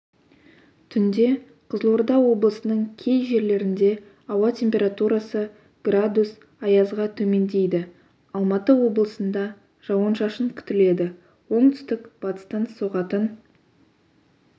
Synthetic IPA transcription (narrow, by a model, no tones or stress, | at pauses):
t̪ʰʏnd̪e̞ | qʰəzlˠoɾd̪ɑwo̞blˠəsənəɴkʲʰe̞jʒe̞ɾle̞ɾɪnd̪e̞ | ɑwɑt̪ʲʰe̞mpʲe̞ɾat̪uɾasə | ɡ̥rad̪us | ɑjɑzʁɑt̪ʰɵme̞nd̪e̞jd̪ɪ | ɑlˠmɑt̪əwo̞blˠəsənd̪ɑ | ʒ̥ɑwɑnʃɑʃəɴkʲʰʏ̥t̪ɪle̞d̪ɪ | wo̞ɴt̪ʰʏ̥st̪ɪkb̥ɑt̪ə̥st̪ɑnsoʁɑt̪ən